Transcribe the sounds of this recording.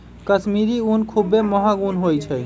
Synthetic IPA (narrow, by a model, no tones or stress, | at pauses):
kəsmiɾiunkʰubːeməɦaɡunɦojt͡ʃʰəj